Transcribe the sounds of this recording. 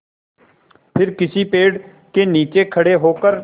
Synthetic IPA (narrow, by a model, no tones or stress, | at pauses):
pʰɪɾkɪsiːpeːɖ | keːniːt͡ʃeːkʰəɽeːɦoːkəɾ